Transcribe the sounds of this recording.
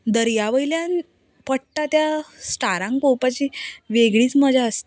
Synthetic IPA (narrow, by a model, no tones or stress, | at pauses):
d̪əɾjaʋəjljan | pəɽʈat̪jasʈaɾãŋkopat͡ɕiːʋeɡɭiːt͡sməd͡ʑʱaəst̪